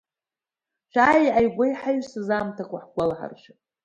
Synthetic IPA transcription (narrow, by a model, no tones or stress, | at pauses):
ʃʷᶣaːiʕajɡʷajħaɥsɨzaːmtʰakʷʰʼaħɡʷalħa̰rʃʷɪ